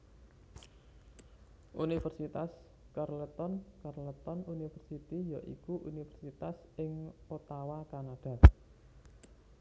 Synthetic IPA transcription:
ʔunifərsit̪as | karlət̪ɔnkarlət̪ɔnunifərsit̪ijaʔḭkuʔunifərsit̪as | ɪŋot̪awakanaɖ̥a̤

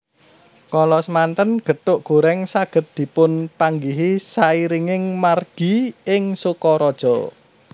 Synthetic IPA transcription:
kɔlɔsəmant̪ənɡ̥ə̤t̪ʊʔɡ̥o̤ɾɛŋsaɡ̥ə̤t̪̚d̪̥i̤pʊnpaŋɡiɦisaiɾiŋɪŋmarɡ̥i̤ɪŋsukɔɾɔd̥ʒ̥ɔ̤

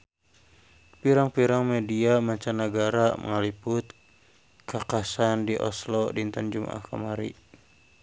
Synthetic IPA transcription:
piɾaŋpiɾaŋmediamaɲt͡ʃanəɡaɾamə̰ŋalipʊt̪ | kakasandiʔɔ̰slɔdint̪and͡ʒumʔa̰hkə̰maɾḭ

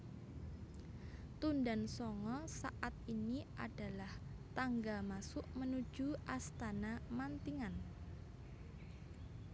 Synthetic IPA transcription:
t̪undansɔŋɔsaʔat̪̚iniʔad̥a̤lah | t̪aŋɡamasʊʔmənu̥ʒ̥uʔast̪anamant̪iŋan

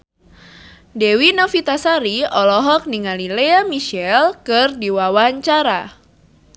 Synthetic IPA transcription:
dɛwinɔfit̪asaɾiɔlɔɦɔk̚niŋalileamiʃɛlkɨrdiwawaɲt͡ʃaɾa

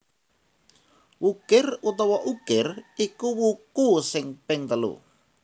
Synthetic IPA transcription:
wukɪrut̪ɔwɔʔukɪrikuwukusɪŋpɪŋt̪əlṵ

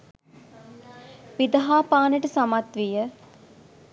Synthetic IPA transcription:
ʋid̪ɐɦaːpaːnəʈəsamat̪ʋijə

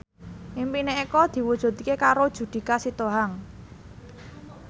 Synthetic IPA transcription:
ʔimpineekɔd̪̥i̤wud̥ʒ̥ɔ̤t̪ikekaɾod̥ʒ̥ṳd̪̥i̤kasit̪oɦaŋ

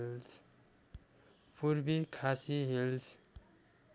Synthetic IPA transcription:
ls | pʰuɾbikʰasiɦils

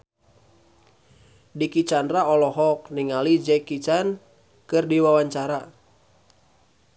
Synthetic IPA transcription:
dikit͡ʃanraɔlɔɦɔk̚niŋalid͡ʒɛkit͡ʃan | kɨrdiwawaɲt͡ʃaɾa

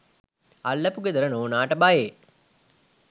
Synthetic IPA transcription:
alːəpuɡed̪əɾənoːnaːʈəbajeː

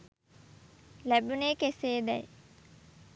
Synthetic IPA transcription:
læbuneːkeseːd̪ɛje

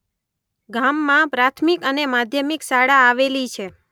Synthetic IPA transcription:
ɡamːãpɾat̪ʰmikənemad̪ʱjəmiksaɽaːʋelit͡ʃʰe

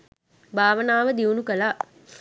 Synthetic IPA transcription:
bʱaːʋənaːʋəd̪iunukəla

